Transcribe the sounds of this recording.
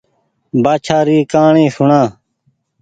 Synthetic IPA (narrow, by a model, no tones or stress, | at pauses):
baːt͡ʃʰaːɾiːkaːɳẽːsʊɳãː